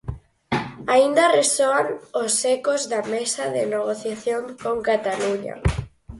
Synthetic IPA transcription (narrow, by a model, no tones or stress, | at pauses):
aind̪ɐresoaŋosːekozðamesaðɪneɣ̞oθjaθjoŋkoŋkat̪aluɲa̰